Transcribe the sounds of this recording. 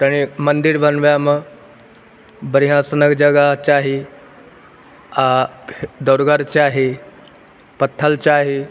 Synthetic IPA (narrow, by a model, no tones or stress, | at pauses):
t̪aɽ̃imənd̪iɾbʱənʋjamə | bəɾiɦãsənəkd͡ʑəɡat͡ɕaɦe | a | d̪əwɾɡaɾt͡ɕaɦe | pət̪ʰːəlt͡ɕaɦe